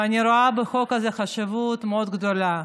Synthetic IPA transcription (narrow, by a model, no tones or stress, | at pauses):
anʲiɾoabexo̞kazeχaʃivut̪meod̪ɡd̪ola